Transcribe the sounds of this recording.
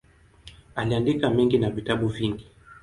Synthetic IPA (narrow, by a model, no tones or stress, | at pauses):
aliandikamɛŋɡinavitaɓuviŋɡi